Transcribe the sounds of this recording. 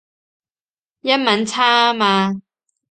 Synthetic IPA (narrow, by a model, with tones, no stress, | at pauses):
jɐ˥t̚mɐ˨˥nt͡sʰaː˥maː˧